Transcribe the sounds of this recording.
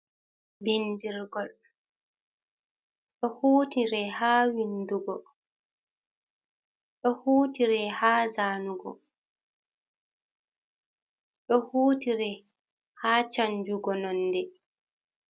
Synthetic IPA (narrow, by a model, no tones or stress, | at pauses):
bindiɾɡɔl | ɗɔhuːtiɾɛhaːwinduɡɔ | ɗɔhuːtiɾɛhaːzaːnuɡɔ̰ | ɗɔhuːtiɾɛ | haːt͡ʃaɲd͡ʒuɡɔnɔnːdɛ